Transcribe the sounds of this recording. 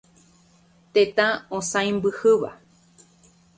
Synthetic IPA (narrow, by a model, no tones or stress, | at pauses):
t̪et̪ãõsãj̃mbɨhɨʋa̰